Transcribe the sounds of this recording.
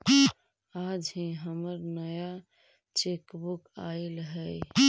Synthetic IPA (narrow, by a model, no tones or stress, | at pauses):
ad͡ʒɦĩɦəməɾnəja | t͡ʃekbukaelɦəj